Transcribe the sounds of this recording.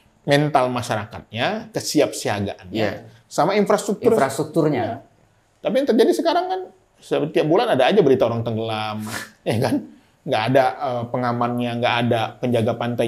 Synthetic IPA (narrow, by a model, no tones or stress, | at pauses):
mɛnt̪almaʃaɾaka̰t̪̚ɲakəsiap̚siaɡa̰ʔanja | samainfɾast̪ɾuk̚t̪urast̪ɾuk̚t̪urɲaa | t̪apijaŋt̪ərd͡ʒadisəkaɾaŋkan | sət̪iaʔ̚bulanadaːd͡ʒabəɾit̪aoɾaŋt̪əŋɡəlamjakan | ŋɡaːdaəpəŋamanɲaŋɡaʔːdapəɲd͡ʒaɡapant̪a